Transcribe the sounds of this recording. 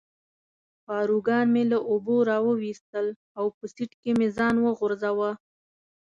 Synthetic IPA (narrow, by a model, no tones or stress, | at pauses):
pɑɾuɡɑnmelaʔoboɾɑwəwist̪əl | awpəsiʈkemezɑnwəɣʊɾzawa